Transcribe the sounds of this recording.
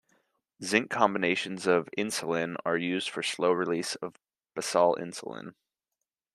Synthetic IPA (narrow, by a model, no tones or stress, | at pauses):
zɪ̃ŋkʰɑ̃mbɨneɪʃɨ̃n̩zʌvɪ̃nsəlˠɪ̃nə̰˞jʉzd̥fə˞sloʊɹɨlisʌv | b̥əsɑlˠɪ̰̃nsə̰l̩ˠɪ̰̃n